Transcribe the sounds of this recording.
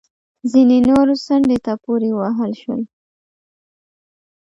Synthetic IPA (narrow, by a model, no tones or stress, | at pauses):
zinenoɾosaɳɖet̪apoɾewaɦəlʃwə̰l